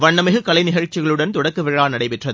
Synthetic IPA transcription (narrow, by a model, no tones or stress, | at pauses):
ʋɐɳːɐmɪɣɯkɐlɐɪnɪɣɐɻt͡ʃːɪɣɐɭɯɽɐnt̪ɔɽɐkːɯʋɪɻaːnɐɽɐɪpɪʈrɐðɯ